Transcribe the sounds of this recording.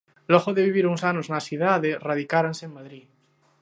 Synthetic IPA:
lɔɣoðeβiβ̞iɾuŋsanoznasið̞aðeraðikaɾansemaðɾi

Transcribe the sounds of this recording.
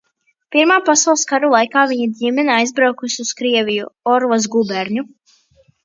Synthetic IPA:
piɾmaːpasawlˠskaɾulˠajkaːviɲad̪ʲimɛnaajzbɾawkusiuskɾiɛvʲijuɔɾvaz̬ɡubɛɾɲu

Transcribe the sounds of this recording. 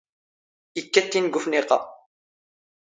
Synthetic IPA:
ikːæt̪ːinɡufniqɑ̰

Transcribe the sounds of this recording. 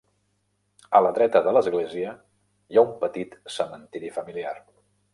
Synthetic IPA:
ələðɾɛt̪əðələzɣleziə | jaumpət̪it̪səmənt̪iɾifəmiliar

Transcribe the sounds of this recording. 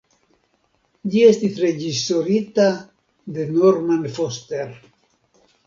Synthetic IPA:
ʎiest̪iθred͡ʒisoɾit̪a | d̪enoɾmanfost̪eɾ

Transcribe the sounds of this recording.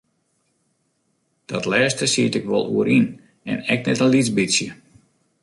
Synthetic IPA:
d̥ɔtlɛːstəsiətɪkʋɔlˠṵəɾʔin | ɛ̰nɛk̚nɛtənlit͡sbisjə

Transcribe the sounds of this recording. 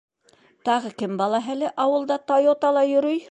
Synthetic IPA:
t̪ɑʁɤkɘmbɑlˠɑɦælɘʔɑwɤ̆lˠd̪ɑt̪ojot̪ɑlˠɑjɵ̆ɾɵj

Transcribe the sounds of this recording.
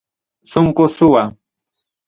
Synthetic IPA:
sʊŋkʊsʊwa

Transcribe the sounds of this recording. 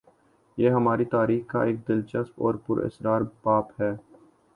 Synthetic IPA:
jeːɦɐmaːɾit̪aːɾiːxka̰ʔeːk̚d̪ɪlt͡ʃəspɔ̰ːɾpʊɾɪ̰sɾaːɾbaːphɛː

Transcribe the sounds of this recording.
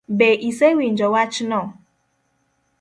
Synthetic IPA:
beʔisewin̩d͡ʒɔwat͡ʃnɔ

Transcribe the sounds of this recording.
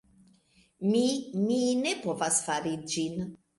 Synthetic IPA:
mimine̞po̞vasfaɾid͡ʒin

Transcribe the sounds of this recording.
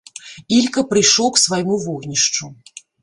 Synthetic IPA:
ilʲkɐpɾɨjʂlɔwksvajmuvɔɣnʲiʂt͡ʂu

